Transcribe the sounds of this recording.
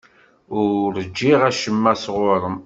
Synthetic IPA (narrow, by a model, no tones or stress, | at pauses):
ʊɾɾəd͡ʒːiʁæʃəmːæsʁʊɾˤəm